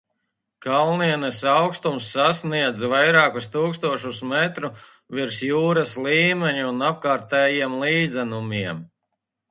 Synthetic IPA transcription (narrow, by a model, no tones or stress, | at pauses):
kalˠniɛnɛsawkst̪umsːasniɛd̪zvajɾɑːkust̪uːkst̪uɔʃusmɛt̪ɾu | viɾsjuːɾaslˠiːmeɲuːnap̚kaːɾt̪ɛːjiɛmlˠiːd̪zɛnumiɛm